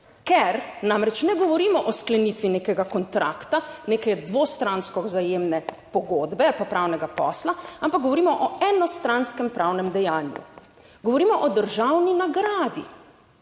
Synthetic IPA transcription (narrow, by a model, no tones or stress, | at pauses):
kɛɾnamɾɛt͡ʃnɛɡɔʋɔɾiːmɔʔɔsklɛniːt̪ʋineːkɛɡakɔnt̪ɾa̰ːkt̪aneːkɛd̪ʋoːst̪ɾanskɔzajeːmnɛ | pɔɡoːd̪bɛalpapɾʔaːwnɛɡapɔ̰ːslaampak̚ɡɔʋɔɾiːmɔʔɔɛnɔst̪ɾanskɛmpɾʔawnɛmd̪ɛjaːnjṵ | ɡɔʋɔɾiːmɔʔɔd̪əɾʒawninaɡɾaːd̪ḭ